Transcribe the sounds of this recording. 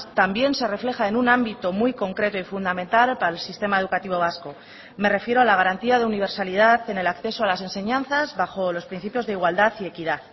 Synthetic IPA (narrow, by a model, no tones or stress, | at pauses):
t̪ambje̞nse̞re̞fle̞xaenunãmbit̪o̞mujko̞ŋkɾe̞t̪o̞ifund̪amẽ̞nt̪alpalsist̪e̞maeðukat̪iβ̞o̞β̞asko̞ | me̞re̞fje̞ɾoalaɣ̞aɾant̪iaðe̞uniβ̞e̞ɾsalið̞aθe̞ne̞lakθe̞soalase̞nseɲãn̟θazβaχo̞lo̞spɾin̟θipjo̞zðeiɣwald̪aθie̞kiðaθ